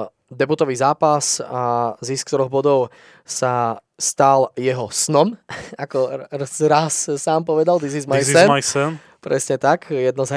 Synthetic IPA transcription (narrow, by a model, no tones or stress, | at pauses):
d̪ɛbut̪ɔʋiːzaːpasazisk̚t̪ɔɾɔɣbɔd̪ɔʊ | sa | st̪aljɛɦɔsnɔmakɔzɾassaːmpɔʋɛd̪ald̪izizmajsɛnasɛn | pɾɛsɲɛt̪akjɛd̪nɔza